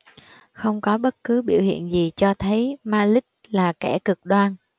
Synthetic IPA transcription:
xə˧wŋ͡mkɔ˨˦ɓə˦˥t̚kɨ˨˦ɓḭ˧˩əwhḭ˧˨ənzi˨˩t͡ɕɔ˧t̪ʰə˨˦jmaː˧lï˦˥k̟̚laː˨˩kɛ̰˧˩kɨ˨˩k̚ɗwaː˧n

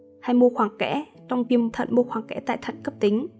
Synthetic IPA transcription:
ha˧jmo˧xwaː˨˩ŋkɛ̰˧˥ | t͡ɕɔ˧wŋ͡mvi˧əmt̪ʰə̰˧˨nmo˧xwaː˨˩ŋkɛ̰˧˥t̪a̰ː˧˨jt̪ʰə˧˨nkə˦˥p̚t̪ï˨˦ŋ̟

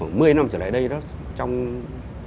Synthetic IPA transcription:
a˧˩mmɨ˧əjna˧mt͡ɕəː˧˩l̰a̰˧˨jɗə˧jɗɔ˨˦t͡ɕɔ˧wŋ͡m

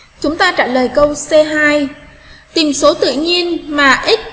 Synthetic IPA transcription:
t͡ɕʊ˨˦ŋ͡mt̪aː˧t͡ɕaː˧˩ləː˨˩jkə˧wsɛ˧ɦaː˧j | t̪i˨˩mso˨˦t̪ɨ̰˧˨ɲi˧ənmaː˨˩ʔi˦˥t̚

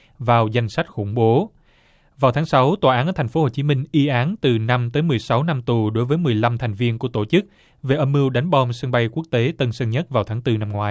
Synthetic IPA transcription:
vaː˨˩wza˧jŋ̟sa˦˥jk̚xʊ̰˧˩ŋ͡mɓo˨˦ | vaː˨˩wt̪ʰaː˨˦ŋsa˨˦wt̪waː˨˩ʔaː˨˦nəː˧˩tʰa˨˩ŋ̟fo˨˦ho˨˩t͡ɕi˨˦mï˧ŋ̟ʔi˧ʔaː˨˦nt̪ɨ˨˩na˧mt̪əː˨˦jmɨ˨˩əjsa˨˦wna˧mt̪u˨˩ɗo˨˦jvəː˨˦jmɨ˨˩əjla˧mt̪ʰjŋ̟vi˧ənku˧˩ət̪o˧˩t͡ɕɨ˦˥k̚ | ve˨˩ʔə˧mːɨ˧əwɗa˨˦jŋ̟ɓɔ˧msə˧ŋɓa˧jku˦˥k̚t̪e˨˦t̪ə˧nsə˧ŋɲə˦˥t̚vaː˨˩wt̪ʰːŋt̪ɨ˧na˧mŋwaː˨˦j

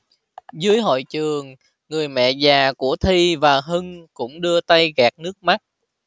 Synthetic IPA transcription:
zɨ˨˦əjɦo̰˧˨jt͡ɕɨ˨˩əŋː | ɨ˨˩əjmɛ̰˧˨zaː˨˩ku˧˩ət̪ʰi˧vaː˨˩ɦɨ˧ŋkʊ̰˧˥ŋ͡mɗɨ˧ət̪a˧jɣɛː˨˩k̚nɨ˦˥ək̚ma˦˥t̚

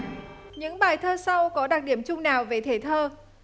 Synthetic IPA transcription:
ɲɨ̰˧˥ŋɓaː˨˩jt̪ʰəː˧sa˧wkɔ˨˦ɗaː˨˩k̚ɗi˧˩əmt͡ɕʊ˧ŋ͡mnaː˨˩wve˨˩t̪ʰe˧˩t̪ʰəː˧

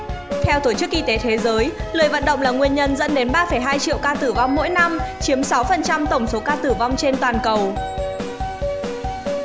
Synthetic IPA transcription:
t̪ʰɛ˧wt̪o˧˩t͡ɕɨ˦˥k̚ʔi˧t̪e˨˦t̪ʰe˨˦zəː˨˦jlə˨˩jvə̰˧˨nɗə̰˧˨wŋ͡mlaː˨˩ŋwi˧ənɲə˧nzə̰˧˥nɗe˨˦nɓaː˧fə˧˩jɦaː˧jt͡ɕḭ˧˨əwkaː˧t̪ɨ˧˩va˧wŋ͡mmo̰˧˥jna˧mt͡ɕi˨˦əmsa˨˦wfə˨˩nt͡ɕa˧mt̪ə˧˩wŋ͡mso˨˦kaː˧t̪ɨ˧˩va˧wŋ͡mt͡ɕe˧nt̪waː˨˩nkə˨˩w

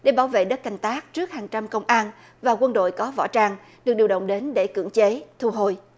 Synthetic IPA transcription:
ɗe˧˩ɓaː˧˩˦wvḛ˧˨ɗə˦˥t̚ka˨˩jŋ̟t̪aː˦˥k̚t͡ɕɨ˦˥ək̚haː˨˩ŋt͡ɕa˧mkə˧wŋ͡mʔaː˧n | vaː˨˩kwə˧nɗo̰˧˨jkɔ˨˦vɔ̰˧˥t͡ɕaː˧ŋ | ɗɨ˨˩k̚ɗi˨˩wɗə̰˧˨wŋ͡mɗe˨˦nɗe˧˩kɨ̰˧˩əŋt͡ɕe˨˦t̪ʰu˧ɦo˧˨j

